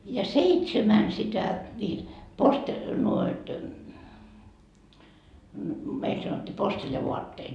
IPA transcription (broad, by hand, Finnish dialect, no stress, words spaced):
jɑ seitsemæn sitæ nʲiːt poste nuoit meil sɑnotʲːiː posteljɑʋuɑtːeːt